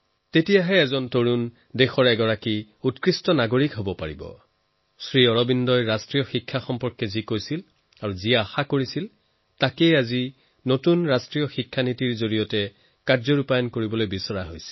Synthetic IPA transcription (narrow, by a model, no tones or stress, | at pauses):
tetijaɦɛːzɔntoɹun | dɛxɔɹɛɡɔɹaki | utkɹistɔnaɡoɹikɦobɔpaɹibɔ̰ | sɹiɔɹɔbindɔjɹastɹijɔxikʰːaxɔmpɔɹkːɛzikojsil | aɹuzijaːxakoɹisil | takejazi | notunɹastɹijɔxikʰːanitiɹzoɹijɔtɛ | kaɹzɔɹupajɔnkoɹibɔlojbisɔɹaɦojsi̥